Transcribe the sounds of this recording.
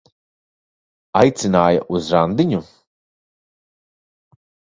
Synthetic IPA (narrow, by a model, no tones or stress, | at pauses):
ajt̪sinaːja̰ʔuzɾand̪iɲu